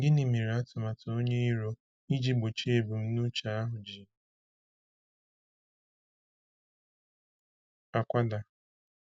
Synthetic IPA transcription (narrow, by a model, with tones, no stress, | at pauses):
dɪ˦ni˨mi˨ɾe˨a˦tʊ˨ma˨tʊ˨o˦ɲe˦i˦ɾo˦ | i˦d͡ʒi˦ɡ͡bo˨t͡ʃe˦bu˨m̩˦nu˦t͡ʃa˨a˦ɦʊ˨d͡ʒi˨ | a˨kʷa˦da˨